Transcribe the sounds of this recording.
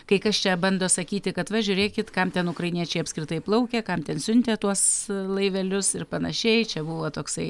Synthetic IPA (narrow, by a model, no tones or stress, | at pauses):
kɐɪkɐst͡ʃʲɛbɐnd̪oːsɐkʲiːt̪ʲɪkɐt̪ʋɐʒʲʊːɾʲeːkʲɪt̪kɐmt̪ʲɛnʊkɾɐɪnʲiɛt͡ʃʲɛɪɐpʲsʲkɾʲɪt̪ɐɪplˠɐʊkʲɛkɐmt̪ʲɛnsʲʊnʲt̪ʲeːt̪uɔslˠɐɪʋʲɛlʲʊsɪrpɐnɐʃʲɛɪt͡ʃʲɛbuʋoːt̪oːksɐɪ